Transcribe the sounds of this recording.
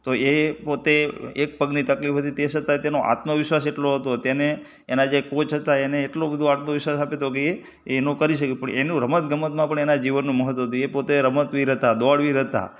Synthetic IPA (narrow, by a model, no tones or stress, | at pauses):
t̪oʔepot̪eek̚pəɡnit̪əklifɦət̪it̪esət̪at̪enoʔa̰t̪məʋɪʃʋaseʈloɦət̪ot̪eneː | nad͡ʒekot͡ʃɦət̪aeneːʈlobəd̪ʱoat̪məʋɪʃʋasapet̪okeeː | nokəɾiʃəkipəɳenũɾəmət̪ɡəmət̪̚mãpəɳenad͡ʒiʋənːũməɦət̪ːʋəɦət̪̬uepot̪eɾəmət̪ʋiɾət̪ad̪oaɭʋiɾət̪a̰